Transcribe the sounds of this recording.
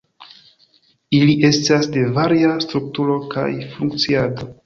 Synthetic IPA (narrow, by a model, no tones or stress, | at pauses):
iliʔe̞stasde̞vaɾiastɾuk̚tuɾo̞ka̰jfuŋk̚t͡siado̞